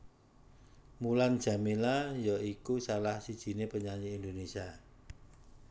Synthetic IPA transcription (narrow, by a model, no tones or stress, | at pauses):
muland̥ʒ̥ä̤milajɔikusalahsid̥ʒ̥i̤nepəɲaɲiːnd̪onesia